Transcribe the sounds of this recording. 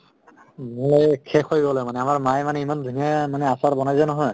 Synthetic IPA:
moekʰɛkʰojɡɔlɔjmanɛamaɹmajmanɛimandʱiŋɛmanɛasaɹbɔnajzɛnɔɦɔj

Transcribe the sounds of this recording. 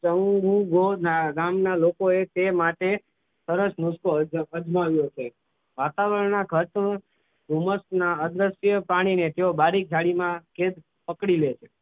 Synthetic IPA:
t͡ʃəŋɡuɡonaɡamnalokoet̪emaʈe | səɾəsnʊskod͡ʒəd͡ʒmaʋjot͡ʃʰe | ʋat̪aʋəɾnaɡʱət̪ | ɡʱuməsnaəd̪ɾəsjəpaɽ̃inet̪eobaɾik̚d͡ʒʱaɭimãked̪ | pəkɽilet͡ʃʰe

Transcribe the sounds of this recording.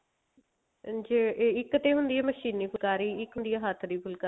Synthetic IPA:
d͡ʒeːɪkt̪eːɦʊnd̪iːɛːməʃiːnːiːpʰʊlkaːɾiːɪkɦʊnd̪iːɛːɦət̪ʰd̪iːpʰʊlkaː

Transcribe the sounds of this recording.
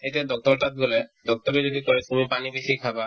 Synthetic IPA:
etiɛd̪ɔk̚t̪ɔɾʈat̪̚boled̪ɔk̚t̪ɔɾed͡ʒod̪ikɔɹit̪imĩpanibesikʰaba

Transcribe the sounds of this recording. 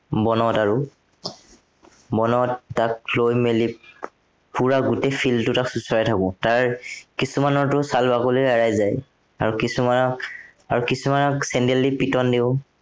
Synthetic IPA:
bɔnɔtaɹʊ | bɔnɔwtːak̚lojmeli | puɹaɡutepʰiltʊtaksusɔɹajtʰakʊ̃taɹkisumanɔtʊsalbakoliaɹajzaj | aɹukisumanɔkaɹukisumanɔksɛndɛlːipitɔndiʊ

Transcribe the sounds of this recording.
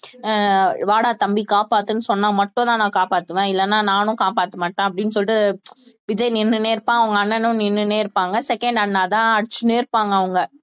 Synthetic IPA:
ʋaːɽaːt̪ɐmbikaːpaːt̪ːɯnːɯsɔnːaːmɐʈːʊ̃t̪ãːnãːkaːpaːt̪ːɯʋẽːɪlːɐnːaːnaːnʊ̃kaːpaːt̪ːɯmaːʈːẽːɐpːɐɽɪnːɯs̬ɔlʈːɯʋɪd͡ʒɐjnɪnːɯneːɾpãːɐʋɐŋɡɐɐnːɐnʊ̃nɪnːɯneːɾpaːŋɡɐsɛkɛɳɖɐnːaːt̪ãːɐɽɯt͡ʃːɯneːɾpaːŋɡɐːʋɐŋɡɐ

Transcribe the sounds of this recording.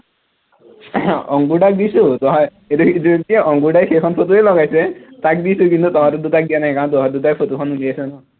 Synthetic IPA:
ɔŋɡuɖak̚d̪isut̪ɔɦã | eɾud͡ʒukieʔɔŋɡuɽajxekʰɔnpʰot̪uelɔɡajset̪ak̚d̪isukint̪ut̪ɔɦãɾed̪ut̪ak̚d̪ijanaɦĩkãt̪ɔɦãɾd̪ut̬ajpʰot̪ukʰɔnuniajsɔnɔ

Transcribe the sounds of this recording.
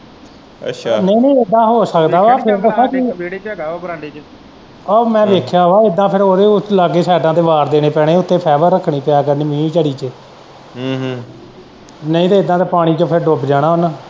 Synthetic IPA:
ə̰ʃnəĩːnə̃ːɪd̪ãːɦoːsəkd̪aːʋaːpʰɪɾd̪əsaːkː | oːmɛ̃ːʋeːkʰjaːʋaːɪd̪ãːpʰɪɾoːd̪eːʊlaːɡeːsɛːɖãːt̪eːʋaːɾd̪eːɽ̃eːpɛːɽ̃eːʊt̪ʰːeːpʰɛːbəɾːəkʰːɳiːpeaːkəɾniːmiːiːt͡ʃəɽiːt͡ʃe | nəĩːt̪eːɪd̪ãːt̪eːpaːɽ̃iːt͡ʃəpʰɪɾɖʊbd͡ʒaːɽaːʊnaː

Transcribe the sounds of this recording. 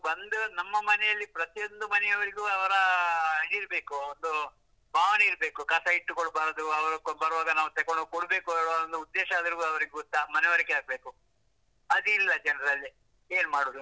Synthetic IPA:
bɐnd̪unɐmːɐmɐnɛjɐlːipɾɐt̪ijo̞nd̪umɐnɛjɐʋɐɾiɡuɐʋɐɾɐɐɭiɾbe̞ːkuond̪u | bʱaːʋɐneiɾbe̞ːkukɐsɐiʈːukɔɽbaːɾɐd̪uɐʋɐɾɐkbɐɾuʋaːɡɐnaːʋut̪ɐkoɳɖukɔɽbe̞ːkuɐɾaond̪uud̪ːeːʃaːd̪ɐɾiɡuɐʋɐɾiɡeɡɔt̪ːamɐnɛʋɐɾɐkːeaːk̚be̞ːku | ɐd̪enilːɐd͡ʒɛnɾɐdɐlːi | e̞ːnumaːɽoːd̪u

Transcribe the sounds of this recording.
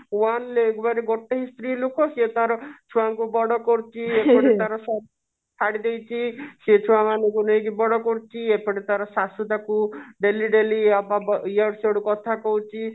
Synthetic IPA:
wanleɡbaɾeɡɔʈeɦist̪ɾilukʰɔsiet̪aɾɔt͡ʃʰuwaŋkubɔɽɔkɔɾt͡ʃʰiepɔɽet̪aɾɔsɔ | pʰaɽid̪ejt͡ʃʰisiet͡ʃʰuamanekunɔjkibɔɽɔkɔɾt͡ʃʰiepɔɽet̪aɾɔsasud̪akuɖeliɖeliababijaɾsɔɽukɔt̪ʰakɔwt͡ʃʰi

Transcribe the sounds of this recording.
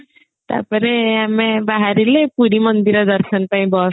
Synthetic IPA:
t̪a̰pəɾeamebaɦaɾilepuɾimənd̪iɾɔd̪əɾsənpaĩbɔ

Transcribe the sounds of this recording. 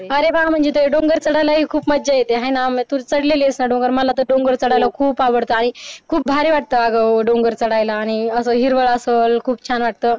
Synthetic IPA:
əɾebaam̤əɳd͡ʑet̪oeɖõŋɡəɾt͡səɽajlaɦiːkʰuːpmədd͡ʑajet̪eɦãjnamt̪uɾt͡səɽleleəsnaɖõŋɡəɾməlat̪əɖõŋɡəɾt͡səɽajlakʰuːpaʋəɽt̪əaɽ̃ikʰuːp̚bʱaɾiʋaʈ̚t̪əaɡəoɖõŋɡəɾt͡səɽajlaːɽ̃iəsəɦiɾʋəɭəsəlkʰuːpt͡ɕʰanʋaʈ̚t̪ə

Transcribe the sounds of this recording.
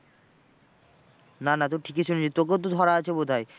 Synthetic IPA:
nanat̪oʈʰik̬iʃunid͡ʑit̪ok̬et̪od̪ʱɔɾaat͡ɕʰebod̪ʱaj

